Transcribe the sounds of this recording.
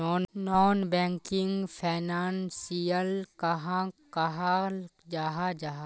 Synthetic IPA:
ɔːnnɔːnbɛ̃ːŋkɪŋɡpʰaːnaːnsijəlkɐɦãkɐɦad͡ʒaːɦad͡ʒaɦa

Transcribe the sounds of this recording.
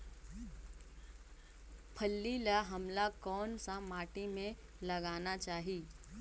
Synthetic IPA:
pʰəlːilaɦɐmlakɔːnsamaːʈimẽlɐɡaːnat͡ʃaːɦiː

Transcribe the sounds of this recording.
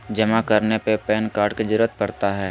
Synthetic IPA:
d͡ʒɐmakɐɾnepepɛːnkaːɾɖked͡ʒɪɾət̪̚pɐɾt̪aɦɛː

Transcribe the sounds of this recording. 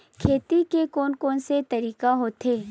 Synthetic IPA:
kʰeːt̪ikekoːnkɔːnset̪ɐɾiːkaɦoːt̪eː

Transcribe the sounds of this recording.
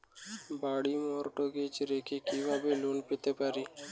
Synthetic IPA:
baːɽiːmoːɾʈoːɡeːt͡ʃɾeːkʰiːkiːʋaːbeːloːnpɪt̪eːpaːɾiː

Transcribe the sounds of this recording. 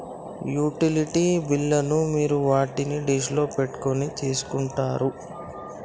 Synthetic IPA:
juːʈiliʈibilːɐnumiːɾuʋaːʈiniɖiʃ̬lo̞ːpeʈːu̥ko̞nit͡ʃe̞ːsu̥kuɳʈaːɾu

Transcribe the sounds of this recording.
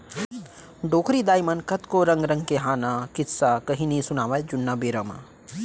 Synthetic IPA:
ɖoːkɾid̪aːjmɐnkɐt̪koɾɐŋɡɾɐ̃ŋɡkeɦaːnakit̪sakɐɦinisunaːʋajd͡ʒunːabeːɾɐma̰

